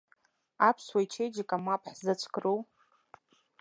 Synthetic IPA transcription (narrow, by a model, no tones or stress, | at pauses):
apʰswajt͡ʃʰejd͡ʒakʼamapʰʼħzat͡sʷʰkʰʼrow